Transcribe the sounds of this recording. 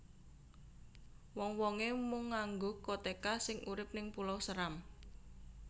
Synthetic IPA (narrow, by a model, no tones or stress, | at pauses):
wɔŋwɔŋemʊŋːaŋɡokot̪ekasɪŋʔuɾɪp̚nɪŋpulɔwsəɾam